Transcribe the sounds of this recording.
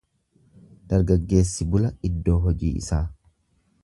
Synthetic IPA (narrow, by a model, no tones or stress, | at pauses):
d̪̥ɐɾɡɐɡːe̞ːsːɪbʊlɐɪd̪ːo̞ːɦɔd͡ʒḭːʔɪ̰saː